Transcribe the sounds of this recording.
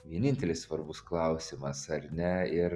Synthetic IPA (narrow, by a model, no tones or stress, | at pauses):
ʋʲiɛnʲɪnʲt̪ʲɛlʲɪssʋɐɾbʊsklˠɐʊsʲimɐsɐɾnʲɛɪɾ